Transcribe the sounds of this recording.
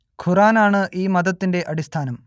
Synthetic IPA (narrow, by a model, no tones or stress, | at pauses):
kʰuraːnaːɳɨʔiːmɐðɐt̪ːinde̞ʔɐɽist̪ʰaːnɐm